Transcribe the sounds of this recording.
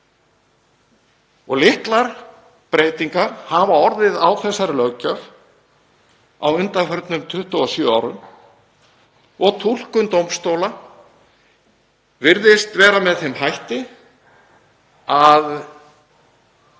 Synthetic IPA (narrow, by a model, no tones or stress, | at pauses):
ɔɣlɪht̪laɾ | pɾeːjt̪iŋkaɾ̥havaɔɾðɪðawθɛsːaɾɪlœɣcœv | a̰wʏnt̪afœɾt̪nʏmt̪ʰʏht̪ʏɔsjœa̰wɾʏm | ɔɣt̪ʰul̥kʏnt̪owmst̪owla | vɪɾðɪst̪vɛːɾamɛðθemhɦajht̪ɪ | að